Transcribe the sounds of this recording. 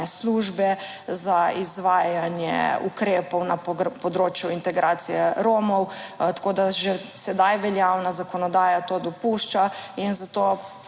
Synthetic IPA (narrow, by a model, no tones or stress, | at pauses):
ɛsluːʒbɛ | zaizʋaːjanjɛ̰ṵkɾeːpɔwnapɔd̪ɾoːt͡ʃjuint̪ɛɡɾaːt̪sijɛɾoːmɔwt̪ḁkoːd̪aʒɛsɛd̪ajʋɛljawnazakɔnɔd̪aːjat̪oːd̪ɔpuʃt͡ʃainzat̪oː